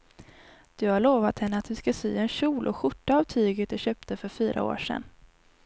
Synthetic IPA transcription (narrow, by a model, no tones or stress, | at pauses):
d̪̥ɵhaɭoːvat̪hɛnːəat̪̚d̪ɵskasy̰ːɛnɕuːlʔɔɧʊʈːaːvt̪ʰyːɡət̪̚d̪ɵɕøːp̚t̪əfœɾfyːɾʔa̰o̰ːʂɛ̰nː